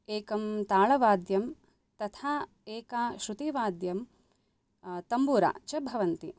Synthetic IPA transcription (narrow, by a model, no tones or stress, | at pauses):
eːkɐmt̪aːɭɐʋaːd̪jɐm | t̪ɐt̪ʰaː | eːkaːʃɾut̪iːʋaːd̪jɐm | t̪ɐmbuːɾa̰ːt͡ʃɐbʱɐʋɐnt̪i